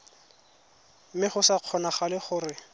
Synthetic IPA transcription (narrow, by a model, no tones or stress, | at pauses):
mɪχʊsaq͡χʰɔnaχalɪχʊrɪ